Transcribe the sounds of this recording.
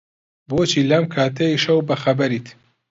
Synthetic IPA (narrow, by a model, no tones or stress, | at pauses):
boːt͡ʃiːlɐmkʰaːt̪ʰɐiʃɐwbɐxɐbɐɾit̪